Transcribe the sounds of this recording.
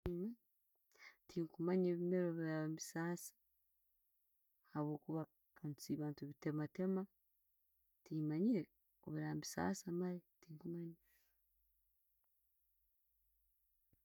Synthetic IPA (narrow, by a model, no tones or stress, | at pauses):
ima | tiŋkumaɲeːβime̞ɾoβiɾamisaːsḁ | haβwo̞ːkuβa | kant͡siβaːntuβite̞mate̞ma | timaɲiɾe | o̰βiɾamisa̰ːsamaɾetiːŋkumaɲi